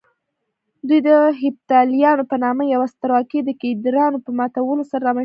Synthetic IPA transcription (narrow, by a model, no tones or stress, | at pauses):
d̪ujd̪əɦɪb̚t̪ɑlijɑnopənɑmajawast̪aɾɑkid̪əked̪ɾɑnopəmɑt̪awəlosaɾaɾɑma